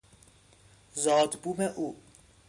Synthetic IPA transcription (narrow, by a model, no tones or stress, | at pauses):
zɒːd̪buːmeʔuː